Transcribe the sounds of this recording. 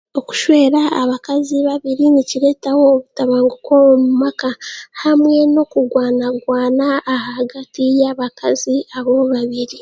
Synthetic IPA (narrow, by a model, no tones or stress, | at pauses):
o̞ku̥ʃwe̞ːɾaːβakaziβaβiɾiniciɾe̞tawoːβutaβaːŋɡukomumakahamwe̞no̞kuɡwaːnaɡwaːnaːhaɡatijaβakaziaβo̞βaβiɾi